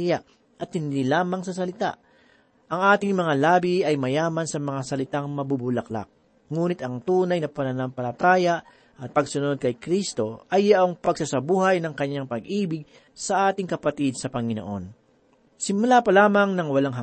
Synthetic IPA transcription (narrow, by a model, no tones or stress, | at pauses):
jaʔ | ʔɐt̪̚hɪnd̪iːlaːmɐŋsɐs̬ɐlɪt̪a̰ʔ | ʔɐŋʔaːt̪ɪŋmɐŋalaːbiʔɐjmɐjaːmɐnsɐmɐŋasɐlɪt̪aŋmɐbubʊlɐkla̰k̚ | ŋuːnɪt̪ɐŋt̪uːnɐjnɐpɐnɐnɐmpɐlɐt̪aːjɐʔ | ʔɐt̪̚pɐɡsʊno̞d̪̚kɐjkɾist̪o̞ʔɐjːɐʔoŋpɐɡsasɐbuːɦɐjnɐŋkɐɲːaŋpɐɡʔiːbɪɡ̚ | sɐʔaːt̪ɪŋkɐpɐt̪id̪̚sɐpɐŋɪno̰ʔo̞n | sɪmʊlapɐlaːmɐŋnɐŋwɐlaŋɦɐ